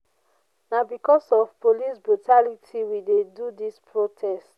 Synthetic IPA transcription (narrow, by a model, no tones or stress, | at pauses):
nabikɔsɔvpolisbɹutalitʰiwidedudispʰɹotʰɛst